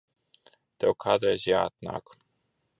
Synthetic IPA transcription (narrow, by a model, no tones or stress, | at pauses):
t̪ɛwkʰaːd̪ɾɛjzjaːat̪na̰ːk